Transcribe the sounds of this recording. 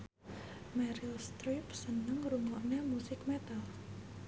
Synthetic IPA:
mɛɾɪlst̪ɾipsənəŋɾuŋɔʔnɛmusɪkmɛt̪al

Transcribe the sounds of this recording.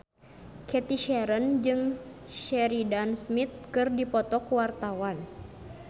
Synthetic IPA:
kʰɛt̪iʃɛɾənd͡ʒɨŋ | ʃɛɾidansmit̪̚kɨrdipɔt̪ɔkuwart̪awan

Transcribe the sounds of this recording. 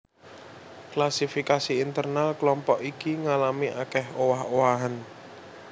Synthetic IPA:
klasifikasiːnt̪ərnalklɔmpɔʔikiŋalamiʔa̰kɛhowaɦowaɦan

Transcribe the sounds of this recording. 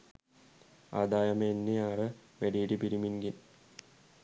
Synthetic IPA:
a̰d̪aːjɐmenːiaɾəmeɖiːʈipiɾiminɡin

